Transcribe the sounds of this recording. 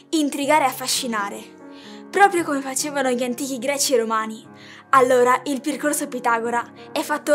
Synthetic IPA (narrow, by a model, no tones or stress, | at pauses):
int̪ɾiɡaːɾeafːaʃːinaːɾe | pɾɔːpɾjokomefat͡ʃeːvanoʎiant̪iːk̟iɡɾɛːt͡ʃieɾomaːni | alːoːɾaʔilperkorsopit̪aːɡoɾa | ɛfːat̪ːo